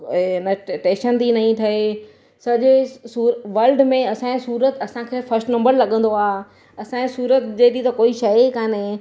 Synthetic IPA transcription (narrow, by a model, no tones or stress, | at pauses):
ɪnəʈẽːʃənt̪inɐɦĩt̪ʰɐe | sɐʄsuːɾʋɐlɖmẽɐsãːẽsuːɾət̪ɐsãkʰeːfɐɾsʈnɐ̃mbəɾlɐɠə̃nd̪oaː | ɐsãẽsuːɾət̪d͡ʑeːt̪it̪ɐkoːiʃɐkaːne